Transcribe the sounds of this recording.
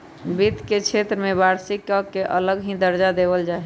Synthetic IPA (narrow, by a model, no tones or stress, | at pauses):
bit̪ket͡ʃʰet̪ɾəmẽbaɾsikːəkeʔə̰ləɡɦĩd̪əɾd͡ʒad̪ebəld͡ʒaː